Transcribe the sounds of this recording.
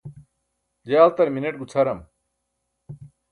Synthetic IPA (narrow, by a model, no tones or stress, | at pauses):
d͡ʑealt̪ɐɾminɐʈ̚ɡut͡sʰɐɾɐm